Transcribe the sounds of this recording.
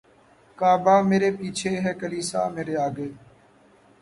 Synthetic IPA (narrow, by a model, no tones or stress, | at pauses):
kaːbaːmeːɾeːpiːt͡ʃʰeːɦɛːkəliːsa̰ːmeːɾeːaːɡeː